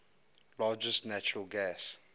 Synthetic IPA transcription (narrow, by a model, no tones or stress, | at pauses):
lɑːd͡ʒəstnæt͡ʃɔɹəlɡæs